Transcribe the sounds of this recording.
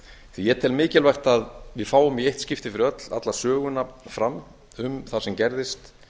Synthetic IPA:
θijɛt̪ʰɪlmɪːcɪlvajxt̪aðvɪðfaːwʏmiejht̪scɪft̪ɪfɪɾɪœt̪la̰t̪lḁsœːɣʏnːafɾam | ʏmθḁsɛmcɛɾðɪst̪

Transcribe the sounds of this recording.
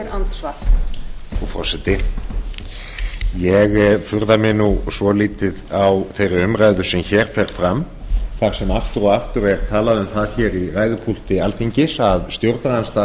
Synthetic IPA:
ɾant̪svaɾ̥ | ufɔ̰̥sɛt̪ɪ | jɛɣfʏɾðamɪnusvɔliːt̪ɪðawθejrɪʏmɾajðʏsɛmçɛːɾ̥fɛɾ̥fɾam | θaɾ̥sɛmaft̪ʏɾɔɣaft̪ʏɾɛɾt̪ʰaːlaðʏmθaðçɛːɾiraːjðʏpʰul̥t̪ɪalfiɲcɪsaðst̪jowɾt̪naðanst̪a

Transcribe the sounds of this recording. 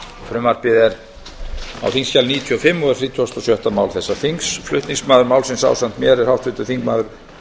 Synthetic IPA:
fɾʏmaɾ̥pɪðɛɾ | a̰wθiŋsçalniːt̪ʰyɔfɪmːɔɛɾ̥θɾiːt̪ʰuast̪ɔsjœht̪amaːwlθɛsːaθiŋksflʏ̰ht̪niŋsmaːðʏɾmaːwlsɪnsa̰ːwsan̥t̪mjɛɾɛɾhawht̪vɪt̪ʏθiŋkmaːðʏɾ̥

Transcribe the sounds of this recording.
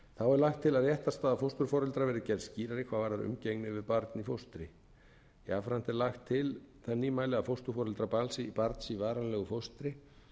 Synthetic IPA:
θawɛɾlaxt̪ʰːɪlaðjɛht̪ast̪aːðafowst̪ʏɾ̥fɔɾɛlt̪ɾavɛːɾɪcɛɾðsciːɾaɾikʰvavaɾðaɾʏ̰mceknɪvɪðpaɾt̪nifowst̪ɾɪ | jafɾant̪ɛɾlaxt̪ʰːɪlθanːimaːjlɪafowst̪ʏɾ̥fɔɾʏlt̪ɾapalsɪipaɾt̪nsivaːɾanlɛɣʏfowst̪ɾɪ

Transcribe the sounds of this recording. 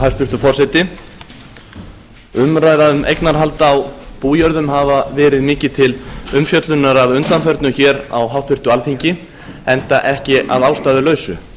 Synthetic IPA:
ɦast̪vʏst̪ʏfɔr̥sɛt̪ɪ | ʏmɾaːjðaʏmʔḛjknaɾ̥ɦalt̪aːwpuːjœɾðʏmɦavavɛːɾɪðmɪːcɪt̪ʰɪlʏmfjœt̪lʏnaɾaðʏnt̪anfœɾt̪nʏçɛːɾa̰wɦawht̪vɪr̥t̪ʏalθiɲcɪ | ɛnt̪aʔɛhcɪʔa̰ðawst̪aːðʏlœːɥsʏ̰

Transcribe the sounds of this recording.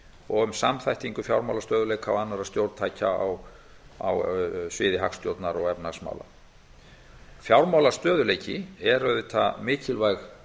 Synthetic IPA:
ɔɣʏmsamθajht̪iŋkʏfjawɾmawlast̪œːðʏleːjkʰawanːaɾaðst̪jowɾt̪t̪ʰaːjcaa̰w | a̰wsvɪːðɪɦa̰kst̪jowt̪naɾɔɣɛpnasma̰wla̰ | fjawɾmawlast̪œːðʏlejcɪɛɾʏðʏt̪ʰamɪːcɪlvajx

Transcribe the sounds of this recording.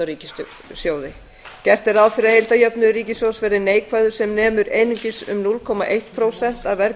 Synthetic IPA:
aɾiːcɪst̪ʏ | sjoːwðɪ | cɛr̥t̪ɪɾawfɪɾahejlt̪ajœpnʏriːcɪsjowsvɛːɾɪneːjkʰvajðʏ̥sɛmnɛːmʏɾeːjnʏɲcɪsʏ̰mnulkʰɔma̰ʔejht̪pʰɾowsɛn̥t̪aðvɛɾ

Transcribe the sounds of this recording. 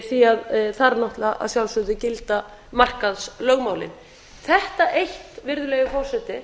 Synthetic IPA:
θiaðθaɾnɔht̪laʔa̰ðsjawlsʏt̪ʏcɪlt̪a | mar̥kaðslœɣmaːwlɪ̰n | θɛht̪aʔejht̪vɪɾðʏlɛːɣɪfɔr̥sɛt̪ɪ

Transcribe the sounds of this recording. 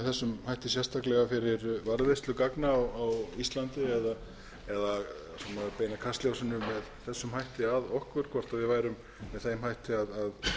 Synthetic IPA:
θɛsːʏmhajht̪ɪsjɛ̥st̪aklɛɣafɪɾɪɾvaɾðvest̪lʏkaknaːwawist̪lant̪ɪɛða | ɛða | sɛmapeːjnakʰast̪ljawsɪnʏmːɛðθɛsːʏmhajht̪ɪaðɔhkvʏɾ̥kʰvɔr̥t̪aðvɪðvajɾʏm | mɛðθeːjmhajht̪ɪaðað

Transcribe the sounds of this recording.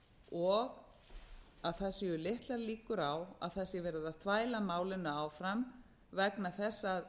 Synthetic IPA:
ɔɣ | aðθɛsːɪʏlɪht̪laɾliːkʏɾawa̰ðθɛsːɪvɛːɾɪðaðθvaːjlamaːwlɪnʏaːwfɾam | vɛknaθɛsːað

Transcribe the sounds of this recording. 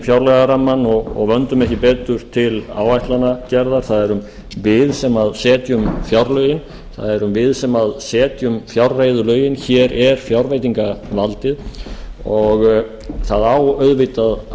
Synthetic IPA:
fjawɾlɛɣaɾamːanːɔɣɔ̰ɣvœnt̪ʏmɛhcɪpɛːt̪ʏɾ̥t̪ʰɪla̰ːwajt̪lanacɛɾðaɾ̥θaðɛɾʏm | vɪðsɛmaðsɛːt̪jʏmfjawɾlœːjɪn | θa̰ðɛɾʏmvɪðsɛmaðsɛːt̪jʏmfjawrːejðʏlœːɥjɪnçɛːɾɛɾ̥fjawɾvejt̪iŋkavalt̪ɪð | ɔɣ | θaðaːwœɥðvɪt̪að

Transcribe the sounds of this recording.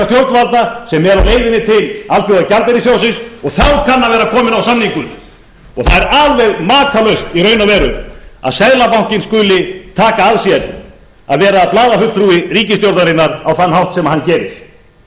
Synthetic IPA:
ast̪jowɾt̪nvalt̪asɛmːɛɾaweːjðɪnːɪt̪ʰɪlalθjiaðcalt̪ɛɾis̬jaːwsɪnsɔɣθawkʰanːavɛːɾakʰɔːmɪnawsamniŋkʏn | ɔɣθaðɛɾaːðvɛɣmaːt̪ʰalœɥst̪irœːɥnavɛːɾʏma̰ðsɛðlapawŋ̥cɪnskʏːlɪt̪ʰaːkaaðsiɛt̪nɪ | a̰ðvɛːɾaplaːðafʏlt̪ʰɾuːɪriːcɪst̪jowɾt̪aɾɪnːaɾawθanːhawht̪sɛmahancɛːɾɪɾ̥

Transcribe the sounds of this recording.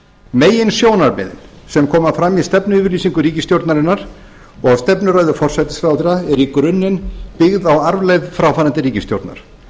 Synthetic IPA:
meːjɪnsjoːwnaɾmɪ̰ðɪ̰n | sɛmkʰɔːmafɾamːist̪ɛpnʏʏvɪɾliːsiŋkʏɾiːcɪst̪jowɾt̪naɾɪnːaɾ̥ | ɔɣst̪ɛpnʏɾœːɥðʏfɔr̥sajt̪ɪ̥sfawt̪iɾaɛɾikɾʏnːɪnpɪɣðawaɾvlejðfɾaːwfaːɾant̪ɪɾiːcɪst̪jowɾt̪na̰ɾ̥

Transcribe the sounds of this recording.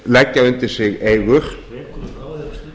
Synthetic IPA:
lɛcːaʏnt̪ɪ̥sɪɣeːjɣʏɾ̥

